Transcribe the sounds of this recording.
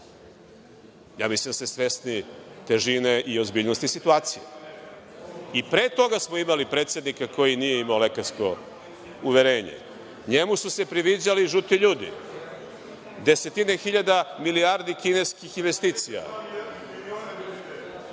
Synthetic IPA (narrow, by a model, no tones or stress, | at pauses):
ja̰ːmisesesʋe̞snit̪eʒine̞ʔio̞zbiːʎnost̪isit̪uaːt̪sije | ipɾeːt̪o̞ɡasmoimalipɾe̞t̪sje̞d̪nikako̞jinijeimaolekaɾsko̞̰ | uʋeɾeːɲḛ | ɲemususe̞pɾiʋid͡ʑaliʒut̪iʎuːd̪ḭ | d̪e̞se̞t̪inexiʎad̪amiliaɾd̪ikine̞skixinʋe̞st̪iːt̪sija̰